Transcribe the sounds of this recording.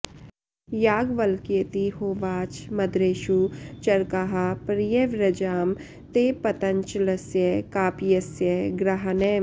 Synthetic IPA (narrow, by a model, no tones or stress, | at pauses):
jaːɡʋɐlket̪ihoːʋaːt͡ʃmɐd̪ɾeːʃut͡ʃɐɾkaɦapɾijeʋɾɐd͡ʒaːm | t̪eːpɐt̪ɐɲt͡ʃlɐsjəkaːpijɐsjəɡɾaɦɐneː